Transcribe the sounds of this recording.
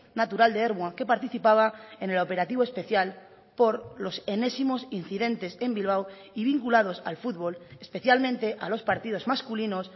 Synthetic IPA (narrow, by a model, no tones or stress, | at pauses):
nat̪uɾald̪eeɾβwake̞paɾt̪iθipaβ̞aene̞lo̞pe̞ɾat̪iβo̞e̞spe̞θjal | po̞ɾlo̞se̞ne̞simo̞sin̟θiðẽ̞nt̪e̞se̞mbilβ̞aw | iβ̞iŋkulað̞o̞sa̰lfud̪βo̞le̞spe̞θjalmẽnt̪e̞ʔalo̞spaɾt̪ið̞o̞zmaskulino̞s